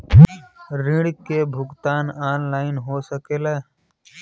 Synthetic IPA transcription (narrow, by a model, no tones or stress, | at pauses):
ɾɪɽkebʱʊɡt̪aːnaːnlaːɪnɦosəkeːlaː